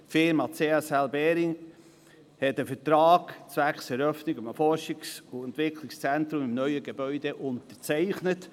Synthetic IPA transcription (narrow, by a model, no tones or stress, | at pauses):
fɪɾmɑt͡seːɛsɛlbɛːɾɪŋ | hɛtəfətɾaːɡt͡svæksɛɾœfnɪɡʊməfɔɾʃɪksʊɛntʋɪkʰlɪkst͡sɛntɾʊmɪmnœʏəɡebœʏd̥eʔʊntəɾt͡sɛɪχnət